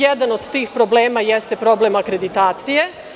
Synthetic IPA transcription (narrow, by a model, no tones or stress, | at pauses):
jed̪ano̞d̪t̪iːxpɾo̞ble̞ːmajest̪e̞pɾo̞ble̞makɾe̞d̪it̪aːt̪sije̞